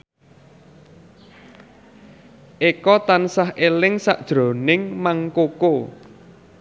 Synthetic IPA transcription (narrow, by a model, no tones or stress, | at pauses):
ʔekɔt̪ansahʔelɪŋsa̰ʔd̥ʒ̥ɾo̤nɪŋmaŋkoko